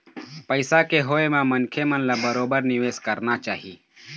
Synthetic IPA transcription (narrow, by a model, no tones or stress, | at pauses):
pəɪsakeɦoːemãmənkʰemənlabəɾoːbəɾnɪʋeːskəɾnat͡ʃaːɦiː